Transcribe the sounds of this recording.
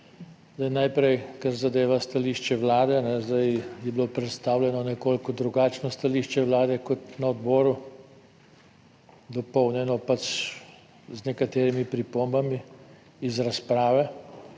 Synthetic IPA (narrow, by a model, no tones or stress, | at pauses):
zd̪ajnajpɾɛjkaɾzad̪eːʋast̪aliːʃt͡ʃɛwlaːd̪ɛnɛzd̪ajjɛbilopɾɛt̪st̪aːwlʲɛnɔnɛkoːlkɔd̪ɾuɡaːt͡ʃnɔst̪aliːʃt͡ʃɛʋlaːd̪ɛkɔt̪naɔd̪bɔːɾu | d̪ɔpɔwnjɛnɔpat͡ʃ | znɛkat̪eːɾimipɾipombami | izɾaspɾaːʋɛ